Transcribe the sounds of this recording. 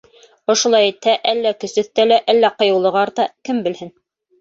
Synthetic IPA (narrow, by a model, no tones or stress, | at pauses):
ŏʃŏlˠɑjit̪hæʔælːækɵ̆sɵ̆θt̪ælæʔælːæqɤ̆jɤ̆wlˠɤ̆ʁɑɾt̪ɑkɘmbɘ̆lhɘn